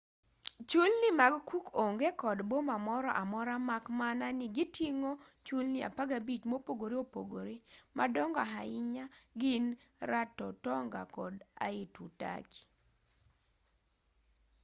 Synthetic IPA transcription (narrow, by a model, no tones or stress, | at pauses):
t͡ʃulnɪmaɡkukʰoŋɡekɔdbomamɔɾɔʔamɔɾamakmananɪɡɪtʰiŋot͡ʃulnɪa̰paɡabit͡ʃmopoɡoɾeopo̰ɡoɾemʔadɔŋɡɔaɦaɪɲaɡɪnɾatɔtɔŋɡa̰kɔda̰ɪtuta̰ki̥